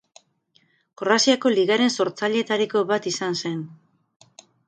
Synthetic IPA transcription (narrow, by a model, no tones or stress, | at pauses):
korasiako̞liɣaɾe̞nso̞ɾt͡saʎe̞t̪aɾiko̞βat̪isanse̞n